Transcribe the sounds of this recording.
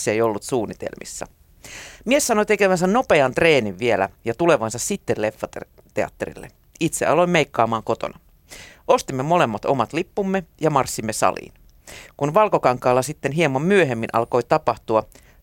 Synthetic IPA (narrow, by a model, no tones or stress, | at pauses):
sːejo̞lːut̪suːnːit̪ḛlmḭsːɑ̰ | miessɑnojt̪ekeʋæns̬ænno̞peɑnt̪re̞ːniʋʋielæ̰jɑt̪ule̞ʋɑnsɑssit̪ːelle̞fːɑt̪ | t̪eɑ̰t̪ːeɾḭlːḛ | it̪seɑlo̞imeikːɑːmɑːŋko̞t̪o̰nɑ | o̞st̪imːemo̞le̞mːɑt̪o̞̰mɑt̪lipːumːejɑmɑrsːimːesɑ̰lḭːn | kunʋɑlkokɑŋkːˑɑːlːɑsit̪ːenɦiemːɑmmyøɦemːinʔɑ̰lko̞jt̪ɑpɑht̪uɑ